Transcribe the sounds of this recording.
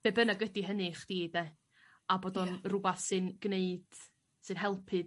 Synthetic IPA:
ebənaɡədiɦənɨχd̥iːdɛ | aboːdɔnrʊbaθsɨnɡneɨd̥ | sɨnɦɛlˠpʰɨd

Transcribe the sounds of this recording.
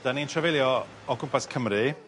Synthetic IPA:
d̥anintʰrɛvelˠjɔ | ɔkʰʊmpʰaskʰəmɾɨ

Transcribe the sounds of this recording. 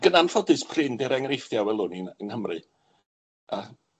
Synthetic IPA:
ɡ̥ənanfɔdɨspʰrɪndɪɾɛŋrejfjawɛlˠʊniənhəmrɨ | ə

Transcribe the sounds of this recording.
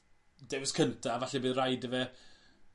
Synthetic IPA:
dɛwɪskʰəntʰaːvaɬɛbiːðrajdəvɛ

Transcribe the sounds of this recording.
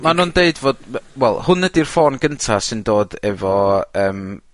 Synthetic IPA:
manuːndeɨdvoːd̥wɛlˠhʊnːədirfoːnɡəntʰasɪndoːdɛvɔəːm

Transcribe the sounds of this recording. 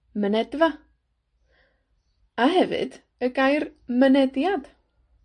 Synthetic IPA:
mənɛdva | aɦɛvɨ̰d̥ | əɡajrmənɛdjad̥

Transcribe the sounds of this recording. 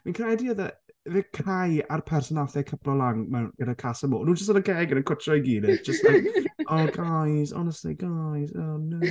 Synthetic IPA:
minkʰaɛdiɔðəðɛkʰajarpʰɛrsɔnaθɛkʰəpʰlˠɔlˠaŋmɛwnɡ̥ənəkʰasəmɔ̰ːnuːnd͡ʒəstənənkʰeːɡənəkʰʊtʰrɔiɡiːdɪ̥d͡ʒ̥əstlajkʔɔɡajzɔ̰nɛstlḭɡajzɔno

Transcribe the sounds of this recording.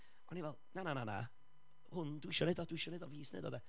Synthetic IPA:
ɔnivɛlˠnananana̰ | hʊndwɪʃɔnɪdɔd̥wɪʃɔnɪdɔviːsnɪ̰dɔ̰dɛ

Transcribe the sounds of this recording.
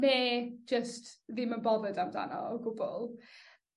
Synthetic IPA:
nɛ̥ːd͡ʒəstðimənbɔðədamda̰nɔ̰ɡʊbɔlˠ

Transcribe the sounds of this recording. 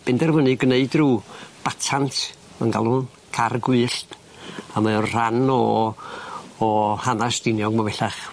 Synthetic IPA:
b̥ɛndɛrvənɨɡneɨdruːb̥atʰantʰ | ə̰nɡalˠʊn | kʰarɡwɨːɬ | amaɔnr̥anɔ | hanasd̥ɪnjɔɡmavɛɬaχ

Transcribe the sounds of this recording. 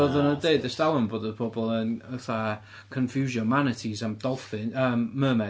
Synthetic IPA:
oðənədeɨdəsd̥alˠəmboːdəðpʰɔbɔlˠənəθa | kʰənfjuːʒɔmanɪtʰizamd̥ɔlˠfɪnəːmːəːmɛ

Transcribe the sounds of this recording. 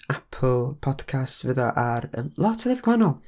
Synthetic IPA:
apʰl̩ˠpʰɔd̥kʰastvəðɔʔaɾə̰mlˠɔtʰəðɛvɡ̥wanɔlˠ

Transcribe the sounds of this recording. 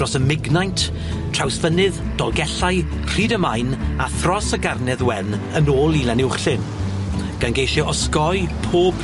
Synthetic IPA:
rɔsəmɪɡnajntʰ | r̥awsvənɨð | d̥ɔlˠɡɛɬaj | r̥iːdəmajnaθrɔsəɡarnɛðwɛn | ənoːlˠilɛnɪwχɬɨn | ɡ̥anɡejʃɔɔskɔɨpʰoːb̥

